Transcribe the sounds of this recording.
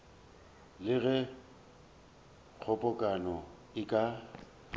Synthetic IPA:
lɪɣɛ | k͡xʰɔpʼɔkʼanɔ | ɪkʼa

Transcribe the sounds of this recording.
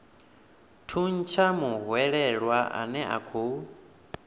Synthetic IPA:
tʰun̩t͡ʃʰamuɦwɛɺɛɺwaʔa̰nɛʔa̰kʰo

